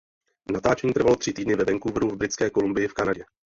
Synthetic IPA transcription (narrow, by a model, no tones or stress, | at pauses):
nat̪aːt͡ʃɛɲiːt̪r̩valor̥ɪt̪iːdnɪvɛvɛŋkuvnuvbɾɪt͡skɛːko̞lumbɪjɪfkanaɟɛ